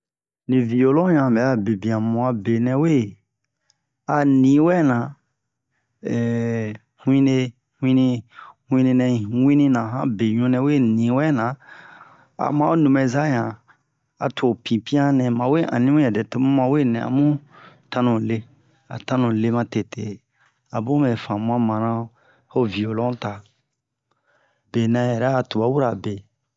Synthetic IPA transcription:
nĩ˨vi˨jo˨lõ˦ɲã˨bɛ˨˦a˦be˨bĩ˨ã˨mũ˨a˧be˨nɛ̃˨we˦ | a˨nĩ˨˦wɛ˦nã˨ | ɛ˨ | hw̃ĩ˦ne˧ | hw̃ĩ˦nĩ˧hw̃ĩ˧nẽ˧nɛ̃˧˨wĩ˦nĩ˦nã˨ɦã̰˦be˨ɲũ˧˦nɛ̃˨we˦˨nĩ˨wɛ˦nã˨ | a̰˨mã˦o˦nũ˨mɛ̃˨za˦ɲã˨ | a̰˨tʰo˨pĩ˨pĩ˦ã˦nɛ̃˨mã˨we˦ʔã̰˨nĩ˦mũ˦jɛ˨dɛ˨to˦mũ˦mã˨we˦nɛ̃˨a̰˨mũ˦ | tã˧nũ˨le˦ | a̰˨tã˦nũ˨le˦˧mã˧te˨te˨ | a˨bũ˦mɛ˨fã˨mũ˦ã˦mã˨ɾã˧˦ | ho˦vi˨o˨lɔ̃˦ta˨ | be˨nã˨jɛ˨ɾɛ˦a˨tu˨ba˨˦wu˦ɾa˨be˨

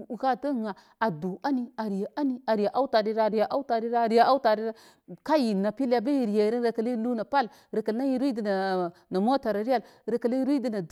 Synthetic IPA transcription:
ɣa˦˨ta˦˨ŋa˨ | a˨du˨a˦ni˦a˨ɾi˨ja˨a˦ni˦a˨ɾi˨a˨ʔa˦u˦ta˨di˦ɾa˦˨ɾi˨ja˨ʔa˦u˦ta˨ɾi˦ɾa˦˨ɾi˨ja˨ʔa˦ta˨ɾi˦ɾa˦ | ka˦ji˨na˨pi˦lja˨ba˦i˨ɾi˨ja˨ɾa˦n˦ɾa˨ka˨li˦lu˦na˨pa˦l | ɾa˨ka˨lna˦ji˦ɾi˦di˨na˨na˨mo˦ta˨ɾa˨ɾi˦ja˦˨lɾa˨ka˨li˦ɾi˦di˦na˨

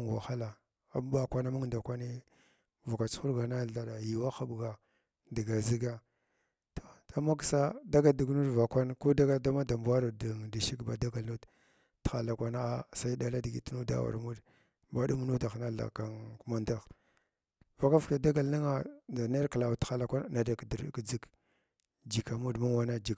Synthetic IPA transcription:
wa̰˨xa˦la˨ | a˨˦m˦ba˨kʷa˦na˦mu˦ŋda˨kʷa˦ni˦ | va˨ka˨t͡sxu˦ɾɡa˨na˦ɮa˨da˨ji˨wa˦xa˦bɡa˨ | di˨ɡa˨zi˦ɡa˦ | to̥˨a˨ma˦ksa˦da˦ɡa˦di˨ɡnu˦dva˨kʷa˦nko˦da˦ɡa˦da˦ma˦da˨mba˦ɾa˨da˨da˨ʃi˦kba˨da˦ɡa˨lnu˦d | txa˨la˨kʷa˦na˦a˦sa˦i˦da˨la˦di˨ɡḭ˨tnu˦da̰˦wa̰˨ɾmu˦d | ba˨ɗu˦m˦nu˦ta˨xna˦ɬa̰˨ka˨ŋku˦ma˦nda˦˨x | va˨ka˦fka˨da˦ɡa˨lni˦ŋa˨da˨ne˦ɾkla˨wtxa˨la˨kʷa˦n˨na˨da˨kdi˨˦kd͡zi˦k | d͡ʒi˨ka˨mu˦dma˦wa˦na˦d͡ʒi˨k

